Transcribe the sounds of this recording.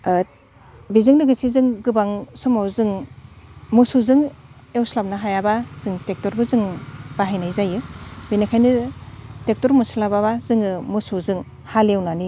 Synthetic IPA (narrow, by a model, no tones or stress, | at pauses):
bizɯŋlɯɡisizɯŋɡɯbaŋsɔmawzɯŋ | musuzɯŋ | ewslap̚naɦajabaz̥ɯŋtek̚tɔɾbɯzɯŋbaɦajnajzajɯbinakʰajnɯtek̚tɔɾmuslababazɯŋɯmusuzɯŋ | halewnani